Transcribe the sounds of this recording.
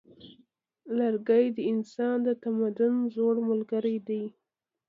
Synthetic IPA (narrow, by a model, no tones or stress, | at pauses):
laɾɡajd̪əɪnsɑnd̪ət̪amad̪ʊnzoɽmʊlɡaɾajd̪aj